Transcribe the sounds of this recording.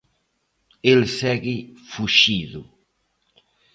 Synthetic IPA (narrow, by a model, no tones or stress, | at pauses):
elsɛɡifuʃiðu